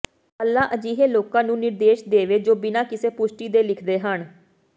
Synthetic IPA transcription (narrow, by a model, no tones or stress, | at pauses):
əlːãːʔəd͡ʒiːɦeːloːkãːnũːnɪɾd̪eːʃd̪eːʋeːd͡ʒoːbɪnaːkɪseːpʊʃʈiːd̪eːlɪkʰd̪eːɦəɳ